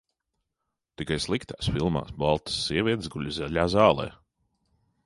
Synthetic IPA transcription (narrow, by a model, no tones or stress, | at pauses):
t̪ikajslˠikt̪aːsfilˠma̰ːsbalˠt̪ɐ̥sːiɛvʲiɛt̪zɡulʲizɛlʲaːzɑːlˠɛ̰ː